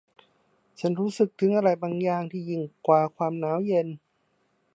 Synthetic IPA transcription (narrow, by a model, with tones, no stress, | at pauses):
t͡ɕʰa˦˥nɾuː˦˥sɯ˨˩k̚t̪ʰɯ˨˦ŋʔa˧ɾa˧˩jbaː˧ŋjaː˨˩ŋt̪ʰiː˧˩ji˨˩ŋkwaː˧˩kʰwaː˧mnaː˦˥wje˧n